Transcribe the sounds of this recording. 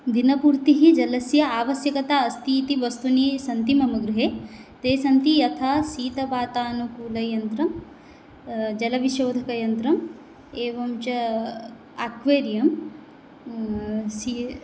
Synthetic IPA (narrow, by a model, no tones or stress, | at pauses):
d̪inɐpuːɾt̪iɦid͡ʒɐlɐsjɐaːʋɐsjɐkɐt̪aːɐst̪iːt̪iʋɐst̪uniːsɐnt̪imɐmɐɡɾuɦeːt̪eːsɐnt̪ijɐt̪ʰaːsiːt̪ɐʋaːt̪aːnukuːlɐjɐnt̪ɾɐm | d͡ʒɐlɐʋiʃoːd̪ʱɐkɐjɐnt̪ɾɐm | eːʋɐmt͡ʃɐ | aːkʋeːɾjɐm | si